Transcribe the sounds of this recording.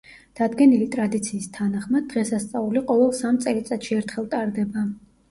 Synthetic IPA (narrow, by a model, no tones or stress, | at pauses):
d̪̥ad̪ɡɛnilit̪ʼɾad̪it̪sʰiːst̪ʰanaχmad̪̚ːʁɛsast̪sʼauliqʼɔvɛlˠsamt̪sʼɛlit̪sʼat̪ʃiɛɾt̪ʰχɛlˠt̪ʼaɾd̪ɛba